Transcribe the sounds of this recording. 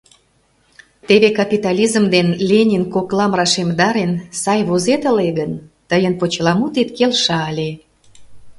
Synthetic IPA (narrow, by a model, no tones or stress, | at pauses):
t̪eβekɑpʲit̪ɑlʲizmd̪enlʲenʲinkoklɑmrɑʃemd̪ɑɾensɑjβozet̪ə̆leɣənt̪əjənpot͡ɕlɑmut̪et̪kelʃɑlʲe